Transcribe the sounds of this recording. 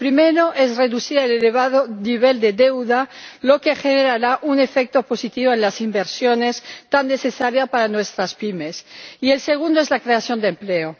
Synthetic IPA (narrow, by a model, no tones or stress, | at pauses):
pɾimeɾo̞ʔezreðuθiɾaeleleβ̞aðoniβ̞e̞ld̪eðewðalo̞ke̞xeneɾaɾaʔune̞fek̚t̪o̞po̞sit̪iβoenlasimbeɾsjone̞st̪anːe̞θesaɾjapaɾanwe̞st̪ɾaspime̞sie̞lse̞ɣ̞und̪oezlakɾe̞aθjo̞nd̪empleo